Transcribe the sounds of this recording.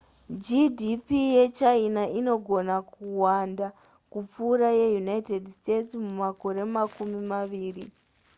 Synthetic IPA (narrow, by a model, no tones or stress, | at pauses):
d͡ʒidipije̞t͡ʃainaʔino̞ɡʱo̞nakuwanda | kup͡fuːɾaje̞junaite̞dste̞tsmumako̞ɾe̞makumimaʋiːri